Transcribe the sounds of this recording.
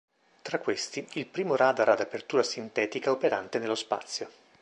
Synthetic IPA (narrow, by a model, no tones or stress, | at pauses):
t̪ɾakːwest̪iilpɾiːmoɾaːd̪aɾad̪apert̪uːɾasint̪ɛːt̪ikaopeɾa̰nt̪enelːospa̰t̪sːjo